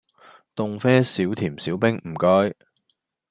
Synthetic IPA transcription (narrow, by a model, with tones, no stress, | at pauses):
t̪ʊ˨ŋfɛː˥siː˨˥wt̪ʰiː˨˩msiː˨˥wpɪ˥ŋm̩˨˩kœː˥j